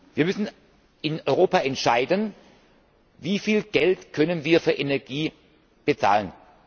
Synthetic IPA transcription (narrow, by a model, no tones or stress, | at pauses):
viːɐmʏsn̩ | ʔɪnɔʏʁoːpaʔɛntʃaɪdən | viːfiːlɡ̥ɛltkʰœnənviːɐfyːɐʔenɛɐɡ̥iː | b̥ət͡sa̰ːlən